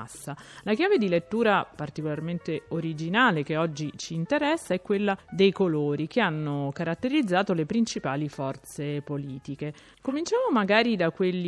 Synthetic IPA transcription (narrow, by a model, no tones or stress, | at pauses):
sːalak̟jaːved̪ilet̪ːuːɾapart̪ikolarment̪eoɾid͡ʒinaːlek̟eɔd͡ʒːit͡ʃiːnt̪eɾɛsːaɛkːwelːad̪ejkoloːɾikeanːokaɾat̪ːeɾid̪zːaːt̪olepɾint͡ʃipaːlifɔrt̪sepoliːt̪ike | komint͡ʃaːmomaɡaːɾid̪akːwelːi